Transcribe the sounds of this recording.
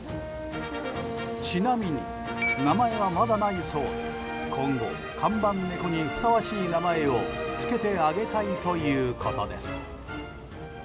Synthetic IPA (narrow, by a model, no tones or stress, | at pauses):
t͡ɕinamʲiɲ̟ḭ | namae̞βamad̪anaiso̞ːd̪e | kʰõ̞ŋɡo̞̰ | kʰãmbãnːe̞ko̞ɲiɸɯ̟̥saβaɕiːnamae̞o̞t͡sɨ̥ke̞t̪e̞aɡe̞t̪ait̪o̞jɯ̟ːkʰo̞t̪od̪e̞̰sɨ̥